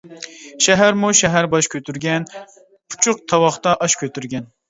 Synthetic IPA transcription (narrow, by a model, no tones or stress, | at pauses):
ʃɛɦæɾmuʃɛɦæɾbɑʃkʲʰøt̪yɾɡʲɛn | pʰu̥t͡ʃʰʊq̚t̪ʰɑwɑχt̪ɑʔɑʃkʲøt̪yɾɡʲɛn